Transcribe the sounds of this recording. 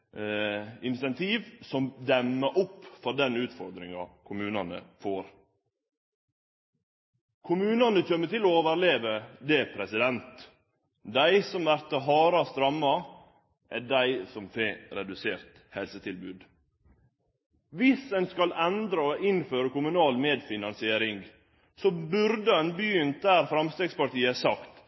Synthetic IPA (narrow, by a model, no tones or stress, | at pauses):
ɪnɪsɛnt̪ʰiːʋsɔmd̪ɛmːəʔʊpːfɔd̪ɛnʉːt̪fɔɾd̪ɾɪŋɑ̰kʰʊmʉːnɑnə̰foːɾ | kʰʊmʉːnɑnəçœmːət̪ɪlɔoːʋəɾleːʋəd̪ɛpʰɾɛsɪd̪ɛnt̪ | d̪æɪsɔmʋæɾt̪əɦɑːɾɑst̪ɾɑmːɑ | ʔæɖæɪsɔmfeːɾɛd̪ʉseːɾt̪ | hɛlsət̪ʰɪlbʉːd̪ | ʋɪsænskɑlʔɛnd̪ɾəɔʔɪnføːɾəkʊmʉnɑːlmeːd̪fɪnɑnsɪeːɾɪŋɡ | sobʉɾd̪əɛnbjʏnt̪̚d̪æːɾfɾɑmst̪eːɡspɑʈiːəsɑkt̪